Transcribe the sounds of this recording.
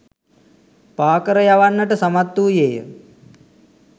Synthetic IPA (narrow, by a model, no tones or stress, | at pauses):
paːkəɾəjaʋanːəʈəsɐmat̪ːuːjeːjə̰